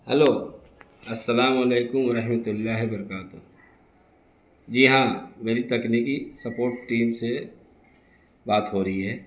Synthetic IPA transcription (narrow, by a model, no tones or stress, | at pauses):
hɐloː | ɐsːɐlaːmɐleːkʊmʋɐɾɐɦmət̪ʊlːaːɦebɐɾəkaːt̪ʊ | d͡ʒiɦãmeːɾit̪ɐkniːkisɐpoːɾʈːiːmse | baːt̪ɦoːɾɐɦiɦɛː